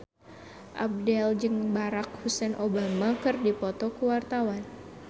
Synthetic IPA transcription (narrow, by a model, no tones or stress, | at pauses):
ʔa̰b̚dɛld͡ʒɨŋbaɾak̚husɛnʔobamakɨrdipɔt̪ɔkuwart̪awan